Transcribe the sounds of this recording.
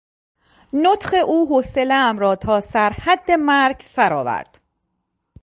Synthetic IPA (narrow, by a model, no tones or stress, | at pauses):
not̪χe̞ʔuːɦoseleæmɾɒːt̪ʰɒːsæɾhæd̪ːe̞mæɾɟsæɾɒ̰ːvæ̰ɾd̪̥